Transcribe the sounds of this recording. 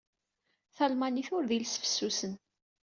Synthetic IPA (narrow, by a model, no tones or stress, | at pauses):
θɑlmaniθʊɾðilsfə̥sːusən